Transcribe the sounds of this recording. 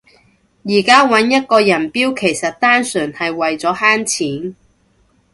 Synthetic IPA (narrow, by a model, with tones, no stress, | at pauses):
jiː˨˩kaː˥wɐ˨˥njɐ˥t̚kɔː˧jɐ˨˩npiː˥wkʰe˨˩jsɐ˨t̚t̪aː˥nsyː˨˩nhɐ˨jwɐ˨jt͡sɔː˨˥haː˥nt͡sʰiː˨˥n